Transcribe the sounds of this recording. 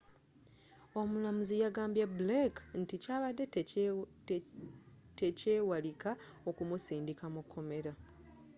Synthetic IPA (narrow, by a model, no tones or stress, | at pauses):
o̞mulamuzijaɡaːmbjablekn̩ticaːβadːe̞ | tece̞ːwalikao̞kumusiːndikamukʰːo̞me̞ɾa